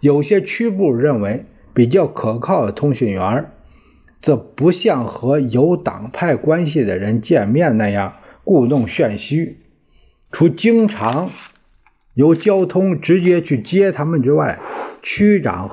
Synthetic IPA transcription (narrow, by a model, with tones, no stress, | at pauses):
jo˨˩ʊɕjɛ˥t͡ɕʰy˥pu˥˩ɻə˥˩nwe˧˥ɪ | pi˨˩t͡ɕjɑ˥˩ʊkʰɤ˨˩kʰɑ˥˩ʊd̪ə˩t̪ʰʊ˥ŋɕɛ˨˩nɥɛ˧˥ | t͡sɤ˥˩pu˧˥ɕjɑ˥˩ŋxɤ˧˥jo˧˥ʊt̪ɑ̰˨˩ŋpʰa˥˩ɪkwa˥nɕ̬i˨˩d̪ə˩ɻə˧˥nt͡ɕjɛ˥˧nmjɛ˥˧nna˥˧jɑ˥˩ŋku˥˧t̪ʊ˥˧ŋɕɥɛ˥˩nɕy˥ | ʈ͡ʂʰu˧˥t͡ɕi˥ŋʈ͡ʂʰɑ˧˥ŋ | jo˧˥ʊt͡ɕjɑ˥ʊt̪ʰʊ˥ŋʈ͡ʂɻ̩˧˥t͡ɕjɛ˥t͡ɕʰy˥˩t͡ɕjɛ˥t̪ʰa˥mə˨nʈ͡ʂɻ̩˥wa˥˩ɪt͡ɕʰy˥ʈ͡ʂɑ̰˨˩ŋ